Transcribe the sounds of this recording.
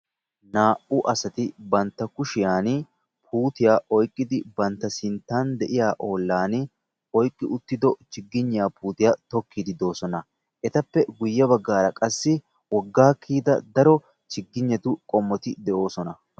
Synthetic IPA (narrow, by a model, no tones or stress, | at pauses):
naːʔʊʔɐsɐt̪ɪbɐnt̪ːɐkʊʃɪjaːn | pʰuːt̪ɪjaːʔɔjkʼːɪd̪ɪbɐnt̪ːɐsɪnt̪ːaːnd̪ɛʔɪjaːʔo̞ːlːaːn | ɔjkʼːɪʊt̪ːɪd̪ɔt͡ʃɪɡːɪɲːɪjaːpuːt̪ɪjat̪ɔkʰːid̪ɪd̪o̞ːsɔnɐ | ʔɛt̪ɐpːɛɡʊjːɐβɐɡːaːɾɐkʼɐsːɪ | wɔɡːaːkʰːiːd̪ɐ̰d̪ɐɾɔ | t͡ʃɪɡːɪɲːɐt̪ʊkʼɔmːɔt̪ɪd̪ɛʔo̞ːsɔnɐ